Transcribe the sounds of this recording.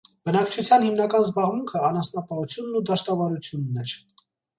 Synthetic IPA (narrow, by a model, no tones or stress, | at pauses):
b̥ənɑkt͡ʃʰut͡sʰjɑnhimnɑkɑnzbɑʁmuŋkʰəɑnɑsnɑpɑhut͡sʰjunːud̪ɑʃt̪ɑvɑɾut͡sʰjunːɛɾ